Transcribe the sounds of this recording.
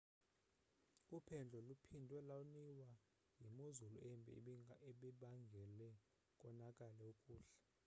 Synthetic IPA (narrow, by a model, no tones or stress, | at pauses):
upʰɛnd͡ɮʱɔlupʰindʱwɛlauniwa | jimozuluɛmbʱɛ̰ɛɓɛɓaŋɡʱɛlɛ | kʼɔnakʼalɛukʼuːɬɛ̥